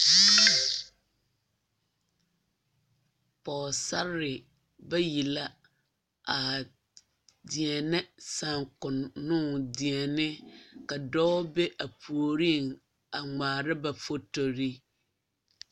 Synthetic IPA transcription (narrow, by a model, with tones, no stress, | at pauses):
pɔː˨sa˦ɾɪ˨ | ba˦ji˨la˦ | a˨ | dɪ˨ɛ˨nɛ˦sa˨ŋkʊ˨nːʊ˦dɪ˨ɛ˨nɪ˦ka˨dɔː˦be˦ʔa˨pʰu˨o˨ɾi˦˨ŋ | a˨ŋ͡maː˨ɾɪ˦ba˨fo˦to˨ɾi˦